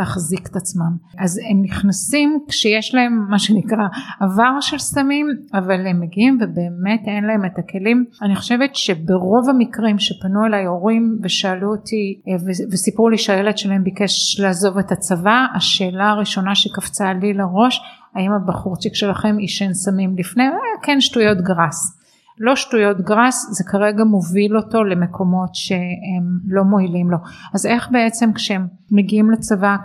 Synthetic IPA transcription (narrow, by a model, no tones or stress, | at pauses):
aχzike̥tat͡smam | aze̞mniχnasimkʃejeʃlae̞mːaʃenikʁaavaʁʃe̞lsamimavale̞mːeɡiimvebe̞ːme̞te̞nlae̞metake̞limaniχo̞̥ʃe̞vetʃe̞beʁo̞vamikʁimʃepanue̞lajoʁimveʃaːluotʰivevesipʁuliʃeajeledʃelaɦe̞mbike̞ʃlaːzo̞vetat͡savaaʃe̞ːlaːʁiʃo̞naʃekaft͡salileʁo̞ʃ | aimabaχuʁt͡ʃikʃelaχe̞miʃensamimlifne̞kenʃtujo̞tɡʁas | lo̞ʃtujo̞tɡʁasze̞kʰaʁe̞ɡamovilo̞to̞le̞me̞kʰo̞mo̞tʃe̞emlo̞mo̞ilimlo̞aze̞χbe̞e̞t͡se̞mkʃeemː | eɡiimlet͡sava